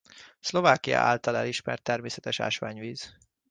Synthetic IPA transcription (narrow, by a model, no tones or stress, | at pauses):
slo̞vaːkijɒ̰ʔa̰ːlt̪ɒlɛliʃmɛrt̪ːɛrmeːsɛt̪ɛʃa̰ːʃʋaːɲviːz̥